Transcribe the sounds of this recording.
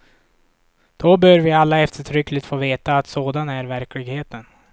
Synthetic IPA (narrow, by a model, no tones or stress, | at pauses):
d̪̥ɔbœːɾvɪalːaɛft̪əʈʰɾʏkːlɪt̪foːveːt̪aːt̪soːd̪anæɾvæɾklɪɡheːt̪ən